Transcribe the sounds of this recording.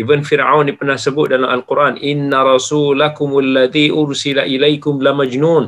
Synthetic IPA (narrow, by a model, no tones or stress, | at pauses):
ʔibənfiɾʕa̰wndipənahsəbʊt̪̚dalamalquɾʔanʔɪnːaɾˤɑsulakʊmalːaðiʔʊɾsilaʔilajkʊmlamad͡ʒnuːn